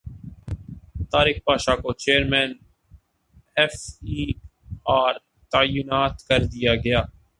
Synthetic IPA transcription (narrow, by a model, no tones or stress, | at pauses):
t̪aːɾɪxpaːʃakot͡ʃeːəɾmɛ̃ːn | ɛfiː | aːɾ | t̪aːjʊnaːt̪kɐɾd̪ijaɡɐjaː